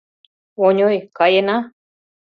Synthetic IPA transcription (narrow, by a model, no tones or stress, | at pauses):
oɲojkajena